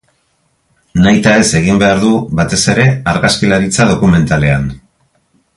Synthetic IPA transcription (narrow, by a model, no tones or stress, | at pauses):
najt̪ae̞se̞ɣ̞imbe̞aɾðuβat̪e̞se̞ɾe̞aɾɣaskilaɾit͡sað̞o̞kume̞nt̪ale̞an